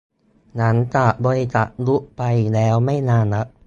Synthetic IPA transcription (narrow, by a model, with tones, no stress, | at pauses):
na˦˥nt͡ɕa˨˩ʔbɔː˧t͡ɕa̰˨˩ʔlu˦˥ʔpa˧jlɛː˦˥wma˥˩jnaː˧˩nːa˦˥ʔ̚